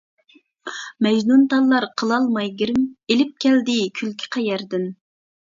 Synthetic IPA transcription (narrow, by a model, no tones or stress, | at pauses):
mɛʒnunt̪ʰɑlˠːɑɾqʰəlˠɑlˠmɑjɡʲiɾɪmelɪp̚kʲʰɛld̪ɪkʲʰylkʲʰi̥qʰɑjɛɾd̪ɪn